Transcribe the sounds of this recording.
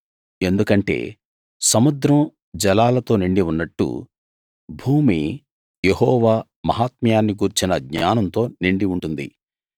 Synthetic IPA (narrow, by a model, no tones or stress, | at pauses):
e̞nd̪ukɐɳʈe̞̰ː | sɐmud̪ɾɐm | d͡ʒɐlaːlɐt̪o̞ːniɳɖiunːɐʈːṵ | bʱuːmi | jeɦɔːʋaː | mɐɦaːt̪mijaːnːiɡuɾt͡ʃinɐɡɲaːnɐnt̪o̞ːniɳɖiuɳʈund̪ḭ